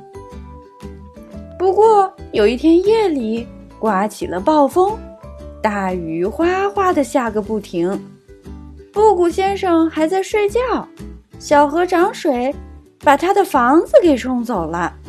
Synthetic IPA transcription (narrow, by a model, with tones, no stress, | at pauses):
pu˧˥kwɔ˥˩jo˨˩ʊi˥˩t̪ʰjɛ˥njɛ˥˩li˨˩˦ | kwa˧˥t͡ɕʰi˨˩lə˦pɑ˥˩ʊfɤ˥ŋt̪a˥˩y˧˥xwa˥xwa˥d̪ə˨ɕja˥˩ɡə˩pu˥˩t̪ʰi˧˥ŋ | pu˥˩ku˨˩ɕjɛ˥nʂɤ˨˩ŋxa˧˥ɪt͡sa˥˧ɪʂwe˥˧ɪt͡ɕjɑ˥˩ʊɕjɑ˨˩ʊxɤ˧˥ʈ͡ʂɑ˧˥ŋʂwe˧˥ɪ | pa˨˩t̪ʰa˥d̪ə˨fɑ˧˥ŋd͡zɹ̩˧ke˨˩ɪʈ͡ʂʰʊ˥ŋt͡so˨˩ʊlə˦